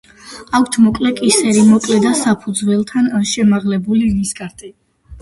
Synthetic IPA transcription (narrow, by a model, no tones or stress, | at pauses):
akʰt̪ʰmɔkʼlɛkʼisɛɾimɔkʼlɛd̪asapʰud̪zwɛlˠt̪ʰanʃɛmaʁlɛbuliniskʼaɾt̪ʼi